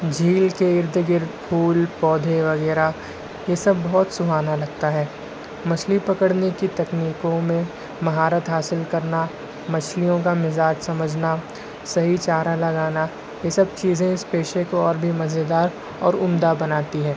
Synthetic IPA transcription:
d͡ʒʱiːlkeɪɾd̪ʱɡɪɾd̪pʰuːlpɔːd̪ʱeʋɐɣɛːɾa | jesɐbːɔɦt̪sʊɦaːnalɐɡ̚t̪aɦɛː | mɐslipɐkəɽnekit̪ɐkniːkõmẽ | mɐɦaːɾət̪ɦaːsɪlkɐɾna | mɐt͡ʃlijõkamɪzaːd͡ʒsɐməd͡ʒʱna | sɐɦit͡ʃaːɾalɐɡaːna | jesɐb̚t͡ʃiːzẽɪspeːʃekoɔːɾbʱimɐzed̪aːɾ | ɔ̰ːɾʊmd̪abɐnaːt̪iɦɛ̃ː

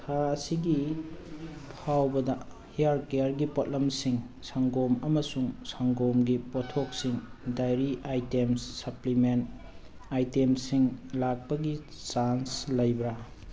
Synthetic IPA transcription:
tʰaːsiɡi | pʰawbɐdɐ | hejaɾkejaɾɡipot̚lɐmsiŋ | saŋɡomɐmɐsuŋsaŋɡomɡipotʰːok̚siŋdajɾiʔajtemsːɐpliment | ajtemsiŋlak̚pɐɡi | t͡ʃanslɐjbɾa

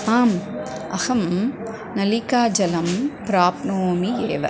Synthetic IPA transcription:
aːm | ʔɐhɐm | nɐlikaːd͡ʒɐlɐmpɾaːpnoːmijeːʋɐ̰

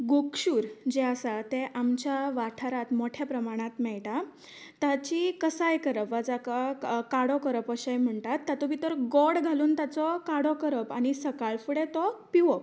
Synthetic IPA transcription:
ɡokɕuːɾd͡ʑeəsat̪eʔamt͡ɕjaʋaʈʰaɾat̪moʈʰjapɾəmaɽ̃at̪mɛɭʈa | t̪at͡ɕikəsajkəɾəpʋad͡zakakaɽɔkəɾəpəɕajm̤əɳtat̪ːat̪ɔʋit̪əɾɡɔɽɡʱaluːnt̪at͡sɔkaɽɔkəɾəpaɽ̃isəkaɭfuɽet̪ɔpiʋɔp

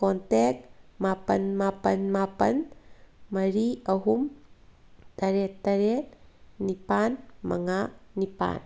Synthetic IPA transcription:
kɔntek̚mapənmapənmapɐn | mɐɾiɐɦum | t̪ɐɾet̪ːɐɾenipanmɐ̰ŋanipa̰n

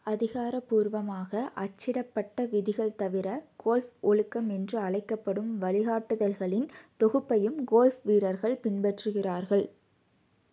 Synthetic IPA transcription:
ɐðɪɣaːɾɐpːuːɾʋɐmaːɣɐʔɐt͡ʃːɪɽɐpːɐʈːɐʋɪðɪɣɐɭt̪ɐʋɪɾɐɡ̥oːlfɔɻɯkːɐmɛndrɯɐɭɐɪkːɐpːɐɽɯmʋɐɭɪɣaːʈːɯðɐlɣɐɭɪnt̪ɔɣɯpːɐjɯmɡoːlfʋiːɾɐɾɣɐɭpɪnbɛʈrɯɣɪraːɾɣɐɭ

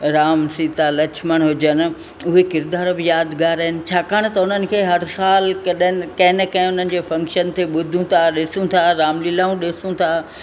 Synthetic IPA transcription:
ɾaːmsiːt̪alɐt͡ɕʰməɽ̃ɦʊd͡ʑən̆ | ʊɦekɪɾd̪aːɾbɪjaːd̪ɡaːɾəɦɪnɪ̆t͡ɕʰaːkaːɽ̃t̪ɐʊnənɪ̆kʰeːɦɐɾsaːlkɐɗnɪ̆kɐ̃ɦɪnəkɐ̃ɦɪ̃ʊn̤ənɪ̆d͡ʑeːfɐ̃ŋkʃənt̪ʰeɓʊd̪ʱũt̪ʰaɗɪsũt̪ʰaɾaːmlilaːũɗɪsũt̪ʰaː

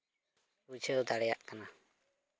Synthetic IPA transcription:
ut͡ʃʰɛd̪ɔd̪aɽɛja̰ʔkana

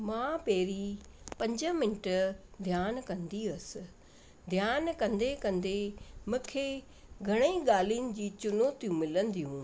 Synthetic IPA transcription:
mãːpeːɾipɐ̃ɲd͡ʑəmɪnʈəd̪ʱjaːnkɐ̃nd̪iɐsɪ̆ | d̪ʱjaːnkɐ̃nd̪ekɐ̃nd̪emũːkʰeː | ɡʱɐɽ̃eiɡaːliʊnɪ̆d͡ʑiːt͡ɕʊnoːt̪ijũmɪlə̃nd̪ijɦũː

